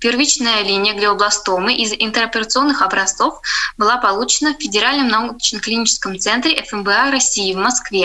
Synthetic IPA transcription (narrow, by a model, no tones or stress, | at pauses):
pʲɪrvʲit͡ɕnəjəlʲinʲɪjəɡlʲɪɐblˠɐst̪omɨʔɪzɪnt̪əɾɐpʲɪɾət̪sɨo̞nːɨxɐbɾɐst̪so̞fbɨlˠapɐlˠut͡ɕɪnəfʲfʲɪdʲɪɾalʲnəmnɐut͡ɕnəklʲɪnʲit͡ɕɪ̥skəmt̪sɛnt̪ɾʲɪʔɛfɛmbəaɾɐsʲːijɪvmɐskvʲe